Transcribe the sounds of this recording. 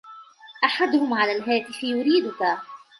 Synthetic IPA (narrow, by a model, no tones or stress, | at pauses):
ʔaħad̪ʊhʊmʕalalɦaːt̪ɪħjʊɾiːd̪ʊka